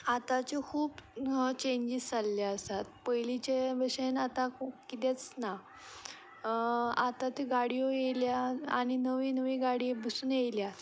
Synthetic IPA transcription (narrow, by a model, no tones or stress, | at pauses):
at̪at͡ɕekʰuːbt͡ɕeɲd͡ʑist͡salːaəsat̪̚pəjlit͡ɕebəɕenat̪akkit̪et͡sna | at̪at̪iɡaɽijojejljaaɽ̃inəʋinəʋiɡaɽibusuːnjejlja